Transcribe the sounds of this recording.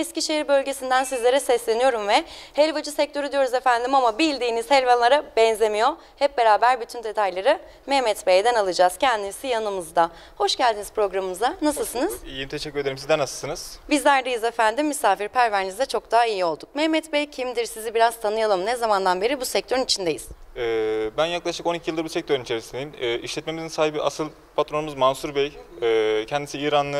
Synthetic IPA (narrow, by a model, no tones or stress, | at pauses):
ɛsciʃeɦiɾbø̞lʲɟesind̪ænsizlʲe̞ɾɛsɛslʲe̞nijo̞ɾumvɛhelʲvad͡ʒɯsɛc̚t̪ʰø̞ɾyd̪ijo̞ɾuzefænd̪imamabilʲd̪iːniz̥hɛlʲvanlˠaɾabɛnzlemijo̞ | hɛp̚be̞ɾaːbæɾbyt̪ʰynd̪e̞t̪ʰajlˠaɾɯ | mɛmɛt̪bejd̪ɛnalˠɯd͡ʒaz̥cʰɛnd̪imisijanɯmɯzd̪a | ho̞ʃɟælʲd̪inizpɾo̞ɡɾamɯmɯzanasɯlˠsɯnɯz̥ijint̪ʰeʃɛcːyɾed̪eɾimsizd̪ænasɯlˠsɯnɯz̥bizlʲæɾd̪ejizefænd̪imːysaːfiɾpʰæɾvæɾnizd̪ɛt͡ʃʰo̞kd̪aɦaijio̞lˠd̪uk̚mɛmɛt̪bɛjcʰimd̪iɾsizibiɾaz̥t̪ʰanɯjalˠɯmnɛzamand̪anbe̞ɾibusɛc̚t̪ʰøɾunit͡ʃʰind̪e̞jiz̥ɛbænjaklˠaʃɯko̞nicʰijɯlˠd̪ɯɾbusɛc̚t̪ʰø̞ɾunit͡ʃʰe̞ɾisineimɛʔiʃlʲɛt̪̚me̞mizinsaːɦibiʔasɯlˠ | pʰat̪ɾonumuzmansuɾbɛjɛːcʰɛnd̪isiiːɾanːˠɯ